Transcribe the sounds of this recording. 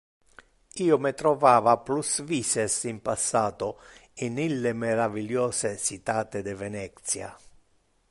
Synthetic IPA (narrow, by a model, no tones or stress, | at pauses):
iːomɪt̪ɾɔvaːvaplusviːsɛsimpasːaːt̪ʊinilːɪmɛɾaviljɔːsesit̪aːt̪ɪd̪ɛvɛnɛt̪sja̰